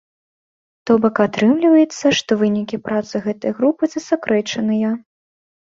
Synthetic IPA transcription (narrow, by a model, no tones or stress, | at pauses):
t̪ɔbɐkat̪ɾɨmlʲivɐjɛt̪sːɐʂt̪ɔvɨnʲikʲipɾat̪sɨɣɛt̪ɐjɣɾupɨzɐsakɾɛt͡ʂɐnɨjɐ